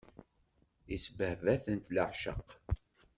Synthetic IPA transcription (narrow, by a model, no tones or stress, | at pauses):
isbəhvæθənt̪ləʕʃə̰qː